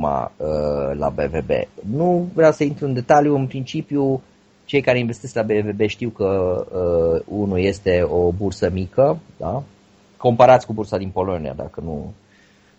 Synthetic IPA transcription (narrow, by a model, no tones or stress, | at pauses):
ma̰əla̰be̞ve̞be̞̰nuvɾeawsəint̪ɾuɨnd̪e̞t̪aljuɨnpɾint͡ʃipju | t͡ʃe̞jkaɾe̞inve̞st̪eslabe̞ve̞be̞ʃt̪iwkəəunuje̞st̪e̞o̞bursəmikəd̪a | ko̞mpaɾat̪sʲkubursad̪inpo̞lo̞nḭa̰d̪a̰kənṵ